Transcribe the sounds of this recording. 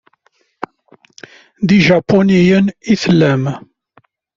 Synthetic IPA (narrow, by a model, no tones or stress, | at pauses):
ðiʒɑpːonijəniθlːæm